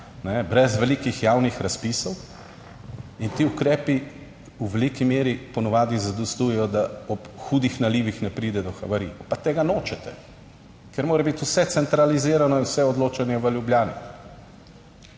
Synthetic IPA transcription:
nɛbɾɛzʋɛliːkixjaːwnixɾaspisɔw | int̪iːukɾɛːpi | uʋɛlikimeːɾipɔnɔʋaːd̪izad̪ɔst̪uːjɛjɔd̪aɔpxuːd̪ixnaliːʋixnɛpɾiːd̪ɛd̪ɔxɐ̰ʋaɾiːɔpat̪eːɡanoːt͡ʃɛt̪ɛ | kɛɾmoːɾɛbit̪usɛt̪sɛnt̪ɾaliziːɾanɔinwsɛɔd̪loːt͡ʃanjɛʋəljubljaːnḭ

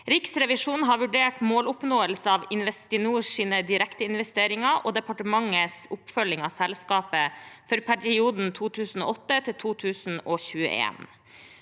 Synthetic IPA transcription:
ɾɪksɾɛʋɪʂuːnɦɑːɾʋʉɖeːʈmoːlʊpnoːəlsəɑːʋɪnʋɛst̪ɪnuːʂiːnəd̪ɪɾɛkt̪əɪnʋɛst̪eːɾɪŋɑʔoːd̪ɛpɑʈəmɑŋəsʊpfœlɪŋɑsɛlskɑːpəfɔɾpʰæɾɪuːd̪n̩t̪ʰuːt̪ʰʉːsn̩o̰ːʔɔt̪ːət̪ʰɪlt̪ʰuːt̪ʰʉːsn̩oːçʉːə̰ʔḛːn

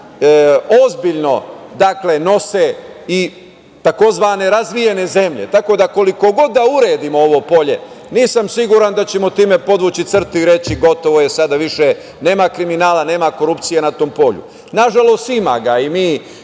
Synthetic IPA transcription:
ozbiʎno̞d̪akle̞no̞sei | t̪ako̞zʋane̞ɾazʋije̞ne̞ze̞mʎe̞̰t̪ako̞d̪ako̞liko̞ɡo̞d̪ːauɾeːd̪imooʋo̞po̞ʎe̞̰ | niːsamsiɡuɾand̪at͡ɕemo̞t̪iːme̞po̞d̪ʋuːt͡ɕit̪sr̩t̪iɾe̞t͡ɕiɡo̞t̪o̞ʋoje̞sad̪aʋiʃe | ne̞ːmakɾiminaːlane̞ːmako̞ɾupt̪sijenat̪o̞ːmpo̞ːʎṵ | naʒalo̞st̪ima̰ɡaimiː

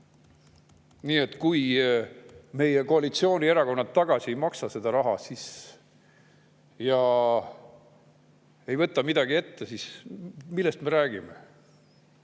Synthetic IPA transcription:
niːe̞t̪ːˑkuj | me̞jeko̞ɑlit̪sio̞ːnʲie̞ɾɑko̞nːɑt̪ːɑɡ̥ɑsʲiejmɑksɑse̞d̪ɑɾɑɦɑ̰sis | jɑ | e̞jvɤt̪ːˑɑmid̪ɑɡ̥ie̞t̪ːesismilːest̪me̞ɾæːɡ̥ime̞

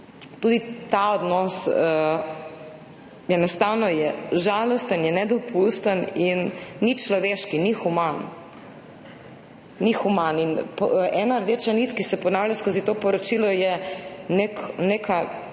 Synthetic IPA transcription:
t̪uːd̪it̪aɔd̪nɔsə | jɛnɔst̪awnɔjɛʒalɔst̪ənjɛnɛd̪ɔpust̪əninːit͡ʃlɔʋeːʃkinixuman | ixumaninpʔɛːnaɾd̪et͡ʃanit̪kisɛpɔnaːwlʲjaskoːzit̪oːpɔɾɔt͡ʃilɔjɛneknekʰa

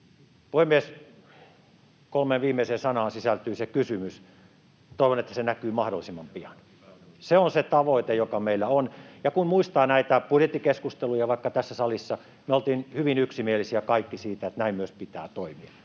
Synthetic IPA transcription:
puhemies | kolmenʋiːmːˑeiseːnsɑnɑːnsisælt̪yːsekysymys | t̪oˑiʋonet̪ːæsenækyːmɑhdolːˑisimːɑmpiɑn | seonset̪ɑʋoˑit̪ejokɑmeilːæonjɑkunmuist̪ɑːnæit̪æpudjet̪ːikeskust̪elujɑʋɑˑikːɑt̪æsːæsɑlisːɑ | myøolt̪iːnhyʋinyksimielisiækɑikːisiːt̪æet̪næimmyøspit̪æ̰ːt̪oimiɑ

